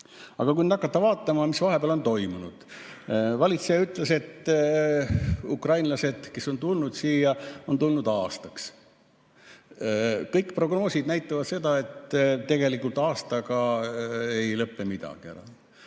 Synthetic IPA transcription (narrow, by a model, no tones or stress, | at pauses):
ɑɡ̥ɑkujned̪ɑkːˑɑt̪ːɑvɑːt̪ˑːɑmɑmisvɑɦe̞beɑlo̞nt̪o̞jmunud̪̥ | vɑlʲit̪sejɑyt̪ˑle̞se̞t̪ː | ukrɑjnlɑse̞d̪̥ke̞so̞nt̪ulnud̪̥siːjɑo̞nt̪ulnud̪̥ɑːst̪ɑks | kɤjkpro̞ɡno̞ːsid̪̥næjt̪ːˑɑvɑd̪se̞d̪ɑe̞t̪t̪ːe̞ɡ̥e̞likːult̪ˑɑːst̪ɑɡɑ | e̞jlɤpːˑe̞mid̪̥ɑ̰ɡ̥iḛɾɑ̰